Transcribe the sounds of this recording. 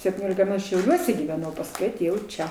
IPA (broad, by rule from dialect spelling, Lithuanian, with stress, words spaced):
sʲɛpʲtʲiːˈnʲoːlʲɪkɐ mʲɛ ʃʲɛʊˈlʲuɔsʲɛ ɡʲiːʋʲɛˈnɐʊ pɐsˈkʊɪ ɐˈtʲeːjɛʊ ˈt͡ʃʲɛ